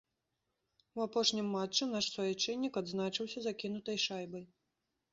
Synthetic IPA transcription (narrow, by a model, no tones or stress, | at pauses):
uapɔʂnʲimːat͡ʂːɨnaʂsvɔjɛt͡ʂɛnʲːikad̪znat͡ʂɨwsʲɐzakʲin̪ut̪ɐjʂajbɐj